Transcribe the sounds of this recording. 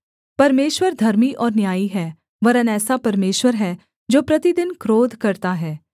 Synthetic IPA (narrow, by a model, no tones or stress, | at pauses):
pɐɾmeːʃwəɾd̪ʱɐɾmiʔɔːɾnjaːiɦɛː | ʋɐɾənɛːsapɐɾmeːʃwəɾɦɛː | d͡ʒoːpɾɐt̪id̪ɪnkɾoːd̪ʱkɐɾt̪aɦɛː